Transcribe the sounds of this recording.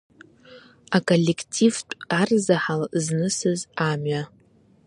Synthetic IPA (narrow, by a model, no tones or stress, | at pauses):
akʼo̞lʲːe̞kʰtʰivtʷʼarzaħalznɨsɨzamɥa